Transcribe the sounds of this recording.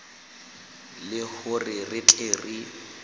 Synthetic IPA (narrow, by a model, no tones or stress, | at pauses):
lɪhʊrɪrɪt͡ɬʼeri